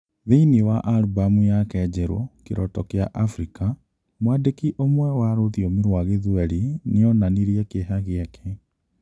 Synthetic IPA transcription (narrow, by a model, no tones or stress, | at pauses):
ðeiniwaʔaɾubamujakɛd͡ʒɛɾo̰keɾɔ̰tɔkeaʔafɾika | mwaːdekiʔomwɛwaːɾoðiomiɾwaɣeðuɛɾineɔnaniɾijɛkeɦaɣeɛkʰɛ